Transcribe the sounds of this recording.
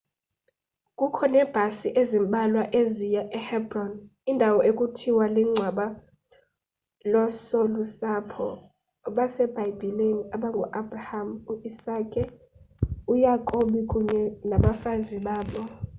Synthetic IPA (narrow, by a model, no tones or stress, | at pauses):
kʼukʰɔnɛːb̥ʱasiʔezimɓʱalwaʔezijaʔɛhɛbrɔn | indʱawɔʔekʼutʰiwaliŋ͡ǀʱwaɓa | lɔsɔlusapʰɔ̰ | ɓasɛb̥ʱajib̥ʱileniaɓaŋɡʱuʔab̥rahamuʔisakʼɛ | ujakʼoɓikʼuɲɛnaɓafaziɓaːɓɔ